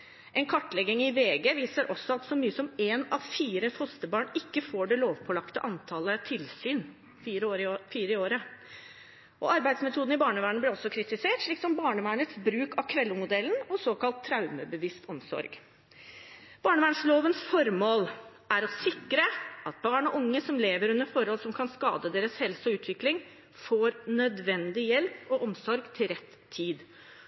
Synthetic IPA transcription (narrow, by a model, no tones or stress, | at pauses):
ʔɛnkʰɑʈːlɛɡɪŋɪʋeːɡəʋiːsəɾʔɔsːɔɑt̪sɔmyːəsɔmeːnɑʋfiːɾəfɔst̪əbɑːɳɪkːəfoːɖɛloːʋpʰɔlɑkt̪ə̰ʔɑnt̪ʰɑːlət̪ʰɪlsyːn | fiːɾəːfiːɾəɪoːɾə | ʔɔ̰ɑɾbæɪsmɛt̪ʰuːd̪n̩ɪbɑːɳəʋæːɳəblɛɾɔsːɔkʰɾɪt̪ɪseːʈʂɭiːksɔmbɑːɳəʋæːɳət̪sbɾʉːkɑʋkʰʋɛlːəmʊd̪ɛln̩ɔsoːkɑlt̪ʰːɾɑʉməbəʋɪst̪ɔmsɔ̰ɾɡ | b̥ɑːɳəʋæːɳsloːʋənsfɔɾmoːl | æɾɔsɪkɾəʔɑt̪̚bɑːɳɔʔʊŋːəsɔmleːʋəɾʉnːəɾfɔɾhɔlsɔmkʰɑnskɑ̰ːd̪əd̪eːɾəshɛlsɔʉːt̪ʰʋɪklɪŋ | foːɾnœd̪ʋɛnd̪ɪjɛlpɔʔɔmsɔɾɡt̪ʰɪlɾɛt̪ʰːiːd̪